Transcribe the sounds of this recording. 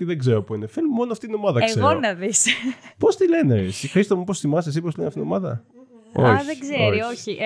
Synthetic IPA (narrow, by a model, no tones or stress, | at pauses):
t̪iðeɡzeɾopuinefelumo̞noɐft̪it̪ino̞mɐðɐkesɣeonɐðispo̞st̪ile̞ne̞sixɾist̪omuposθimɐsesipost̪ileneɐfit̪inomɐðɐ̰ | o̰ðeɡzeoioçiʔ